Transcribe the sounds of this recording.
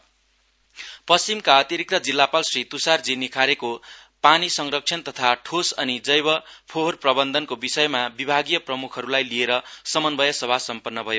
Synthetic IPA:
pʌst͡simkaʌt̪iɾik̚t̪ʌd͡zilːapalsrit̪usard͡zinikʰaɾekopanisʌŋrʌk̚t͡sʰʌnt̪ʌt̪ʰaʈʰosʌnid͡zʌjbʌpʰoɦorprʌbʌnd̪ʱʌnkobisʌjmabibʱaɡijʌprʌmukʰʌɾulajlieɾʌsʌmʌnbʌjʌsʌbʱasʌmpʌnːʌbʱʌjo

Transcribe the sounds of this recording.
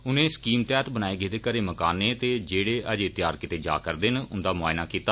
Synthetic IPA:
ʊnẽːskiːmt̪ɛːt̪bənaːeːɡeːd̪eːkəɾeːməkaːnẽːt̪eːd͡ʒeːɽeːəd͡ʒeːt̪ɪjaːɾkɪt̪eːd͡ʒa̰ːkəɾd̪eːnʊnd̪aːmʊaːɪnaːkiːt̪aː

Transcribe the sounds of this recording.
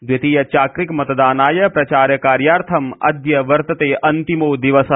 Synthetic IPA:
d̪ʋit̪ijɐt͡ʃaːkɾikmɐt̪d̪aːnaːjɐpɾɐt͡ʃaːɾjɐkaːɾjaːɾt̪ʰɐmɐ̰d̪jɐʋɐɾt̪ɐt̪eːʔɐnt̪imoːd̪iʋɐsɐ

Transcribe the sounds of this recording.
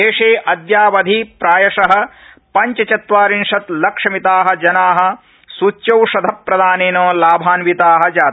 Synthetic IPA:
eːʂeːʔɐd̪jaːʋɐd̪ʱipɾaːjɐʂɐɦɐ̆ | pɐɲt͡ʃɐt͡ʃɐt̪ʋaːɾinʂɐt̪lɐkʂɐmit̪aːɦɐ̆d͡ʒɐnaːɦɐ̆ | suːt͡ʃːt͡ʃjɐwʂɐd̪ʱɐpɾɐd̪aːneːnoːlaːbʱaːnʋit̪aːɦɐ̆d͡ʒaːt̪

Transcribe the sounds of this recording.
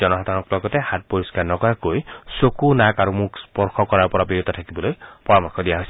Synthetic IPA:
ɔnɔɦadʱanɔklɔɡɔtɛhat̚poɹiskaɹnɔkɔɹakojsokunakaɹumukspɔɹxɔkɔɹaɹpɔɹabiɹutɔtʰakibɔlojpɔɹɔmɔkʰːɔdijaɦojsɛ

